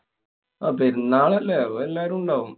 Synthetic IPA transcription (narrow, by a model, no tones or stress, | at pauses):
aːpeɾunːaːɭɐlːeaoelːaːɾmuɳɖaːʋum